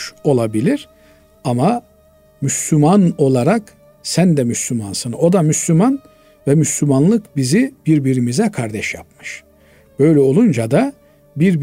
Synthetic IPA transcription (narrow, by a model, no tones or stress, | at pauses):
o̞lˠabilʲiɾ̥ | ama | myslʲymano̞lˠaɾak | sænd̪ɛmyslʲymansɯno̞d̪amyslʲyman | vɛmyslʲymanlˠɯkbizibiɾbiɾimizɛkʰaɾd̪ɛʃja̰pmɯʃ | b̥ø̞jlʲɛo̞lˠund͡ʒad̪a | biɾb